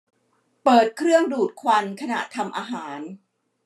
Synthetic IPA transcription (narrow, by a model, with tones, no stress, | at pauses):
pɤː˨˩t̪̚kʰɾɯ˥˩əŋduː˨˩t̪̚kʰwa˧nkʰa˧na̰˨˩ʔt̪ʰa˧mʔaː˧ɦaː˩˦n